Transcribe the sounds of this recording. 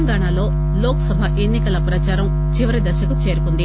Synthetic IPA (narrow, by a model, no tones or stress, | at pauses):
ŋɡaːɳaːlo̞ː | loːkɐsɐbʱɐʔenːikɐlɐpɾɐt͡ʃaːɾɐm | t͡ʃiʋɐɾid̪ɐʃɐkut͡ʃe̞ːɾukund̪i